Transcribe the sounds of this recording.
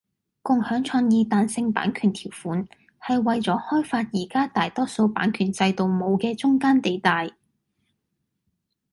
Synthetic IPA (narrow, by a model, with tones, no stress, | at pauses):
kʊ˨ŋhœː˨˥ŋt͡ʃʰɔː˧ŋjiː˨˧t̪aː˨nsɪ˧ŋpa̰ː˨˥nkʰyː˨˩nt̪ʰiː˨˩wfuː˨˥n | hɐ˨jwɐ˨jt͡sɔː˨˥hɔː˥jfaː˧t̚jiː˨˩kaː˥t̪aː˨jt̪ɔː˥so˧wpa̰ː˨˥nkʰyː˨˩nt͡sɐ˧jt̪o˨wmo˨˧wkɛː˧t͡sʊ˥ŋkaː˥nt̪e˨jt̪aː˨j